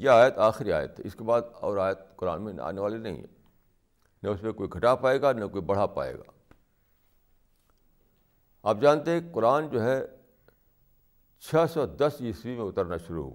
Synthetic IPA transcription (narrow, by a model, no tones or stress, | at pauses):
jeaːjət̪aːxɾia̰ːjə̰t̪ɦɛɪskebaːd̪ɔːɾaːjət̪̚kʊɾa̰ːnmẽa̰ːneʋaːlenɐɦḭ̃ɦɛ̰ | nɐʊsmẽkoːiɡʱɐʈapaːeːɡanɐkoːibɐɽ̤apa̰ːḛːɡa̰ː | aːp̚d͡ʒaːnt̪eɦɛ̃kʊɾaːnd͡ʒoːɦɛ | t͡ʃʰɛsɔd̪ɐsiswimẽʊt̪əɾnaʃʊɾṵɦo̰ɡ